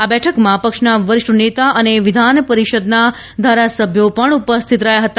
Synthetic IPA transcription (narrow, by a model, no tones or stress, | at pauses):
abɛʈʰəkmãpəkʂnaʋəɾɪʃənet̪aʔəneʋɪd̪ʱanpəɾiʃəd̪na | d̪ʱaɾasəbʱjopəɳupəst̪ʰit̪ɾəjaɦət̪a